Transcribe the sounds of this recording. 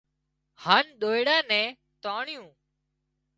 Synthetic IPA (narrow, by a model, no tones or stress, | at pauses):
haːnɗ̪oːɪɽãːnɛ̃ː | t̪aːɳɪjũː